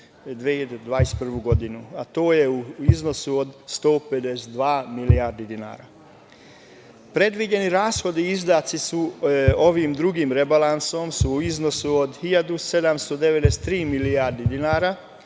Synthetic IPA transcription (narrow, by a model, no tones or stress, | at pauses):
d̪ʋeːd̪d̪ʋaːjest̪pr̩ʋuɡo̞d̪inuat̪oːje̞uizno̞suod̪st̪o̞ːpe̞d̪esed̪ʋaːmilijaːɾd̪id̪ina̰ːɾa̰ | pɾe̞d̪ʋid͡ʑe̞niɾaːsxo̞d̪iizd̪aːt̪sisuo̞ʋiːmd̪ɾuɡiːmɾebalanso̞msuːizno̞suod̪xiʎad̪use̞d̪amst̪o̞d̪eʋed̪eset̪ːɾiːmilijaːɾd̪id̪inaːɾa